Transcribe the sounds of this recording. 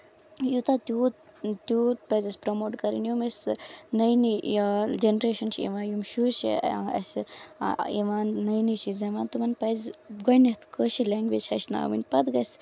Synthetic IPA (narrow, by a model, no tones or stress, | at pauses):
jut̪at̪ʲuːt̪ʲut̪̚pɐzɐsʲpɾomoːʈkɐɾḭnjumɐsnɐjnid͡ʒenɾeːʃɐnʃiḭʋãːjumʃuʃḭɐ̰s | ḭʋaːnːɐjniʃizɐʋaːnt̪umɐnpɐzɡonɐt̪kəʃilaːŋɡʋeːd͡ʒʰɐʃna̰ːʋḭnʲpɐd̪ɡɐsʲ